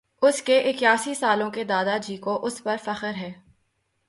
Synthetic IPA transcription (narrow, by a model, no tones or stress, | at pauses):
ʊskeʔɪkjaːsisaːlõked̪aːd̪ad͡ʒiːkoʔʊspɐɾfɐxəɾɦɛː